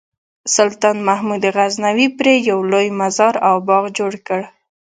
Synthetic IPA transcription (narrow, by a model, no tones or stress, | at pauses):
sʊlt̪ɑnmahmud̪eɣaznawipɾejawlojmazɑɾawbɑɣd͡ʒoɽkəɽ